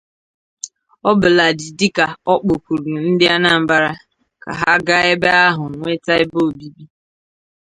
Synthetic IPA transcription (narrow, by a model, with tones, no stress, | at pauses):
ɔ˦bʊ˨la˨dɪ˨dɪ˦ka˨ɔ˦k͡po˨kʷu˨ɾu˨n̩˦dɪ˦a˦na˨m̩˨ba˦ɾa˦ | ka̰˨ɦa˦ɡa˦e˦be˦a˦ɦʊ˨ŋʷe˦ta˦ɪ˦bo˦˨bi˦bi˦